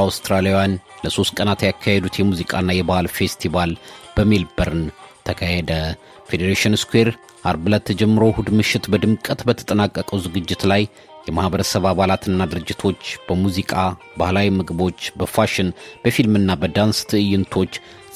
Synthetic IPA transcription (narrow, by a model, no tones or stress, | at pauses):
awst̪ɾalijanləso̞st̪̚kʼənat̪jakʰːahed̪ut̪jɛmuzikʼa̰nːajɛbahalfe̞st̪ʰiβalb̥əmilbəɾɨnt̪ʰəkʰəhed̪ə | fed̪eɾeʃɪnskʷwe̞ɾ | ʔaɾbɨlat̪ʰːəd͡ʒɛmːɨɾo̞hud̪mɨʃːɪt̪bəd̪ɨmkʼət̪bət̪ʰə̥t̪ʼənakʼːəkʼəwzɨɡɨd͡ʒːɪt̪laj | jɛmahbəɾəsəβaβalat̪ɨnːad̪ɨɾɨd͡ʒːɪt̪ʰo̞t͡ʃːb̥əmuzikʼa | bahlawimɨɡɨbo̞t͡ʃːbəfaʃɪnb̥əfilmɨnːabəd̪anst̪ʰɨʔɨjːɪnt̪ʰo̞t͡ʃː